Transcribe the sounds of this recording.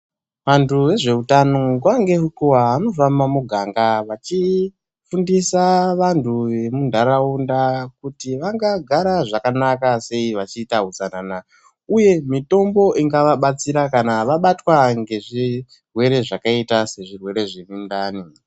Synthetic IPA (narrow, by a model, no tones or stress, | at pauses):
ʋantʰuʋe̞ʐe̞utanokwaŋɡe̞ɦukuwaɦːno̞fambamuɡʱaŋɡaʋat͡ʃi | fundisaʋantʰuʋe̞mundʱaɾaundakutiʋaŋɡaɡʱaɾaʐakanakase̞iʋat͡ʃiːtaɦuzanana | uje̞mito̞mbo̞ʔiŋɡaʋaɓat͡siɾakanaʋaɓatwaŋɡe̞ʐi | rwe̞ɾe̞ʐakaitase̞ʐirwe̞ɾe̞ʐe̞mindaːni